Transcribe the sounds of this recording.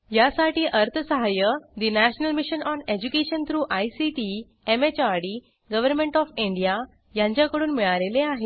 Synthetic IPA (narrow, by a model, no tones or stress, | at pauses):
jasaʈiːʔəɾt̪ʰəsəɦajəd̪inæɕnəlmiɕənɔned͡ʑukeɕənt̪ʰɾuːʔajsiʈi | emet͡ɕaɾɽi | ɡəʋəɾmẽɳʈɔfĩɳɖija | jãɲt͡ɕjakəɽuːnmiɭaleleaɦe